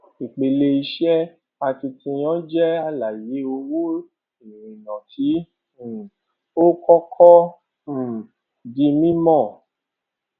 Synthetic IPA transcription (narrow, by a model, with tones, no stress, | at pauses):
i˨k͡pe˨le˧i˧ʃɛ˦ | a˧ti˧tĩ˧j̃ɔ̃˦d͡ʒɛ˦a˧la˨je˨˦o˧wo˦ | ĩ˨ɾĩ˨nã˨tʰĩ˨˦˨ | o˦kɔ˦kʰɔ˦˨ | di˧mĩ˦mɔ̃˦˨